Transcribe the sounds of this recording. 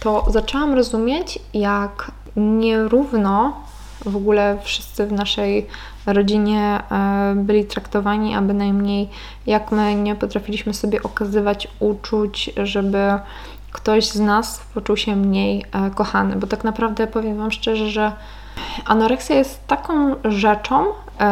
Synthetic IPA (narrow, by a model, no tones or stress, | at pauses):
t̪ɔzat͡ʂɛwamɾɔzumʲjet͡ɕjak | ɲɛɾuvnɔ | vɔɡulɛfʂɘ̥st̪sɘvnaʂɛj | ɾɔd͡ʑiɲɛ | bɘlʲit̪ɾakt̪ɔvaɲiʔa̰bɘnajmɲej | jakmɘɲɛpɔt̪ɾafʲilʲiɕmɘsɔbʲjɛʔɔkazɘvat͡ɕut͡ʂut͡ɕʐɛbɘ | kt̪ɔʑznaspɔt͡ʂuwɕɛmɲejkɔxanɘ̰bɔt̪aknapɾavd̪ɛpɔvʲjɛmvamʂt͡ʂɛʐɛʐɛ | a̰nɔɾɛksʲjajɛst̪ːakɔ̃w̃ʐɛt͡ʂɔ̃w̃